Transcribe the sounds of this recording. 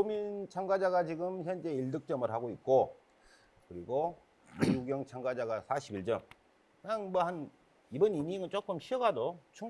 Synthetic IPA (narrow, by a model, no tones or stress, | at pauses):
omint͡ɕʰaŋɡad͡ʑaɡat͡ɕiɡɯmçjʌnd͡ʑe̞iɭdɯk̚t͡ɕ͈ʌmɯɭɦaɡoit̚k͈o | kɯɾiɡo | miuɡjʌŋt͡ɕʰaŋɡad͡ʑaɡasʰaɕʰibiɭt͡ɕ͈ʌm | kɯɲaŋmʌhan | ibʌniniŋɯɭt͡ɕ͈ok͈ɯmɕʰiʌɡadot͡ɕʰu